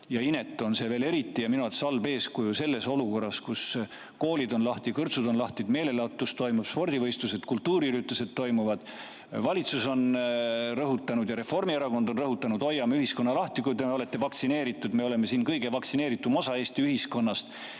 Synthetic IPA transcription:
jɑine̞t̪ːˑo̞nse̞ːve̞ːle̞ɾit̪ːijɑminuɑt̪sɑlbe̞ːskujuse̞lːe̞so̞luko̞rːɑskus | ko̞ːlid̪o̞nlɑht̪ikɤrt̪sud̪o̞nlɑht̪id̪̥me̞ːle̞lɑt̪ːˑust̪o̞jmub̥spo̞rd̪ivɤjst̪use̞d̪̥kult̪ːuːɾiyɾit̪ːˑuse̞d̪̥t̪ːo̞jmuvɑd̪̥ | vɑlit̪suso̞n | rɤɦut̪ːˑɑnud̪jɑɾe̞fo̞rmieɾɑko̞nd̪̥o̞nrɤɦut̪ːˑɑnud̪o̞jːɑmeyhisko̞nːɑlɑht̪ikujd̪emeo̞le̞t̪ːe̞vɑksine̞ːɾit̪ːˑud̪me̞o̞le̞me̞siːnkɤjɡ̥evɑksine̞ːɾit̪ːˑumo̞sɑe̞ːst̪iyɦisko̞nːɑst̪

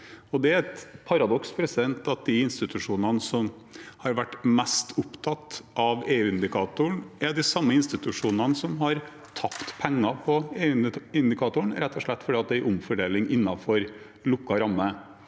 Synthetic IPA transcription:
ɔd̪ɛæɾɛt̪pʰɑɾɑd̪ɔkspʰɾɛsɪd̪ɛnt̪ɑt̪̚d̪ɪɪnst̪ɪt̪ʉʂuːnɑnəsɔm | hɑɾʋæʈːmɛst̪ʰʊpt̪ʰɑt̪ːʔɑʋeːʉːɪnd̪ɪkʰɑːt̪ʊəɳɛd̪ɪsɑmːəɪnst̪ɪt̪ʉʂuːnɑnsɔmɦɑɾ | t̪ʰɑpt̪pʰɛŋːɑpʰɔeːʉɪnd̪ɪkʰɑːt̪ʊɳɾɛt̪ːɔʂɭɛt̪ːfɔɖiːɑt̪̚d̪ɛʔʊmfɔɖeːlɪŋʔɪnːɑfɔɾ | lʊkːɑɾɑmːə

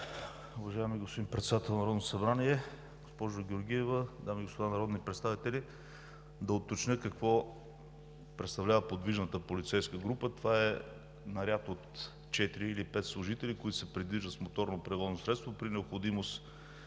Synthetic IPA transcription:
uvɐʒaɛmiɡospod̪inpɾɛt̪sɛd̪at̪ɛlˠnɐɾɔd̪no̥sɐbɾaniɛ | ɡospɔʒʊɡʲɛoɾɡʲijɛvəd̪amiɡospod̪anɐɾɔd̪nipɾɛt̪st̪avit̪ɛli | d̪ɐot̪ːot͡ʃnʲəkɐkvɔ | pɾɛt̪st̪ɐvlʲavəpod̪viʒnət̪əpolit̪sɛjskəɡɾupət̪ovaɛ | nɐɾʲjat̪ot̪ | t͡ʃɛt̪iɾiːlipɛt̪slˠʊʒit̪ɛlikoit̪ʊ̥sɛpɾid̪viʒd̪ət̪smot̪ɔɾnopɾɛvɔznosɾɛt̪st̪vopɾinɛopxod̪imost̪

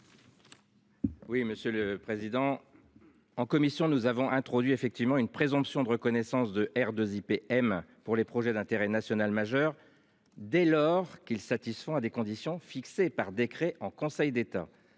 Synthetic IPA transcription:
wiməsjøləpχezid̪ɑ̃ | ɑ̃kɔmisjɔ̃nuzavɔ̃ʔɛ̃t̪χɔd̪ɥiefɛk̚t̪ivmɑ̃ynpχezɔ̃psjɔ̃d̪əʁəkɔnɛsɑ̃sd̪əʔɛʁd̪əzipeɛmpuʁlepχɔʒɛd̪ɛ̃t̪eʁɛnasjɔnalmaʒœʁ | d̪ɛlɔʁkilsat̪isfɔ̃ad̪ekɔ̃d̪isjɔ̃fiksepaʁd̪ekχɛʔɑ̃kɔ̃sɛjd̪et̪a̰

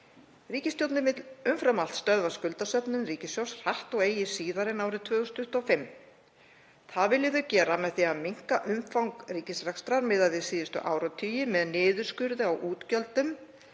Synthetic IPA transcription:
riːcɪst̪jowt̪nɪvɪt̪lʏmfɾamalt̪st̪œðvaskʏlt̪asœpnʏnriːcɪsjawsr̥aht̪ɔɣeːjɪsiːðaɾɪnaːwɾɪðt̪ʰvœːɣʏst̪ʏht̪ɔfɪmː | θaðvɪljɪðʏcɛːɾamɛðθiamiŋ̥kaʔʏmfawŋkriːcɪsɾɛkst̪ɾaɾmɪðaðɪsiːðʏst̪ʏ̰ʔa̰ːwɾat̪ʰyːjɪmɛðnɪːðʏɾ̥skʏɾðɪawʔuːt̪cœlt̪ʏm

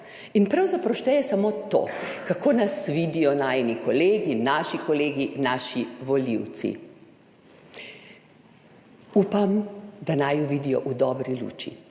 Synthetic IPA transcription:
inpɾawzapɾawʃt̪ɛjɛsamoːt̪o̰ːkakoːnasʋiːd̪ijɔnaːjnikɔleːɡinaʃikɔleːɡinaːʃiʋɔliwt̪sḭ | uːpamd̪anajuʋid̪ijɔ̰ʔud̪ɔːbɾilṵːt͡ʃḭ

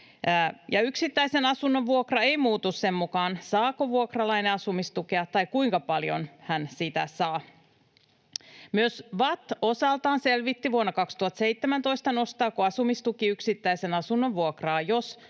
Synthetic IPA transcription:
jɑyksit̪ːæisenɑsunːoʋʋuokrɑe̞imuːt̪usse̞mmukɑːnsɑːkoʋuokrɑlɑineɑsumist̪ukeɑt̪ːɑjkuiŋkɑpɑljo̰nhænsit̪æ̰sɑː | myøsʋɑt̪ːosɑlt̪ɑːnselʋit̪ːiʋuonːɑkɑkst̪uhɑt̪seit̪ːemænt̪o̞ist̪ɑno̞st̪ɑːkoɑsumist̪ukiyksit̪ːæise̞nɑsunːoʋʋuokrɑːjos

